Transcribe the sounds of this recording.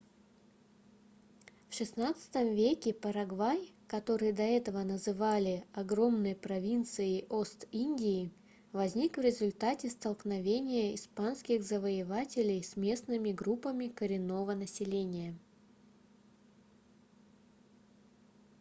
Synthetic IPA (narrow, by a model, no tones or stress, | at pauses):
fʂɨsnat̪sɨ̥t̪əmvʲekʲɪpəɾɐɡvajkɐt̪o̞ɾɨjəd̪ɐɛt̪əvənəzɨvalʲɪɐɡɾo̞mnɨjpɾɐvʲint̪sɨɪʔo̞st̪inʲdʲɪː | vɐzʲnʲikvɾʲɪzʊlʲt̪atʲɪst̪əlˠknɐvʲenʲɪjəɪspanskʲɪxzəvəɪvatʲɪlʲɪjsʲmʲe̞snɨmʲɪɡɾupːəmʲɪkəɾʲɪnːo̞vənəsʲɪlʲenʲɪjə